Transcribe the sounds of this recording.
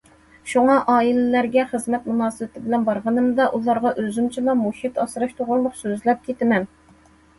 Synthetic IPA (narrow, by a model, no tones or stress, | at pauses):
ʃuŋɑʔɑːilɪlæɾɡʲɛχəzmɛt̪munɑːsɨbɪt̪ʰɪbɪlɛnbɑɾʁɑnɨmd̪ɑʔulˠɑɾʁɑʔøzymt͡ʃʰilɑmoʃit̪ɑsɨɾɑʃt̪ʰoʁʊlˠmʊqsøzlɛp̚kʲʰet̪ɪmɛn